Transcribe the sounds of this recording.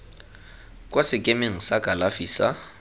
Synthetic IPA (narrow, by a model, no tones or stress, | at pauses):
kʼosɪkʼemeŋ̩sakʼalafiːsa